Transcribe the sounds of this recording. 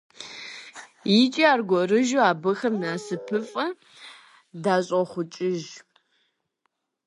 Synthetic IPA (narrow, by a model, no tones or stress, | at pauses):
jɪt͡ʃʼiaːrɡʷɔrɨʒuaːbɐxɐmnaːsɨpʰɨfʼɐ | daːɕʼɔχʷʊt͡ʃʼɪʒ